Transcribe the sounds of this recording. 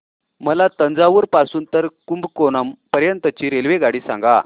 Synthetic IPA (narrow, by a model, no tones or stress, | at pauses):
məlat̪ənd͡zaʋəɾpasuːnt̪əɾkumbkonampəɾjənt̪ət͡ɕiːɾelʋeɡaɽiːsã̰ŋɡa̰